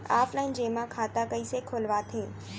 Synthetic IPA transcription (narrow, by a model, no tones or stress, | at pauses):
aːflaːɪnd͡ʑeːmãkʰaːt̪akɐisekʰoːlʋat̪ʰeː